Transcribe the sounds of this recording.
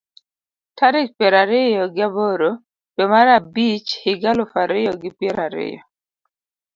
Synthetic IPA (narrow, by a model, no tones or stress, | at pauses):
tʰaɾɪt͡ʃ̚pɛɾaɾɪjɔɡɪaboɾo | bɛmaɾabit͡ʃhɪɡalʊfaɾɪjɔɡɪpɛɾaɾɪ̰jɔ̰